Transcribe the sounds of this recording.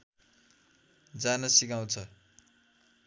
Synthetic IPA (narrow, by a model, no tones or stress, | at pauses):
d͡zanʌsikaw̃t͡sʰʌ